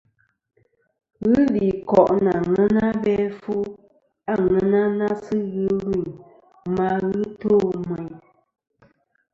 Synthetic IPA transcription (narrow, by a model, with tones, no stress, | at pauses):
ɣɨ˦li˨kɔ˨ʔna˨ŋɛ˦na˦bɛ˦fu˦ | a˦˨ŋɛ˦na˦na˦sɨ˦ɣɨ˦lwi˦˨ | ma˦ɣɨ˦toː˦˨mwɛ˨ɲ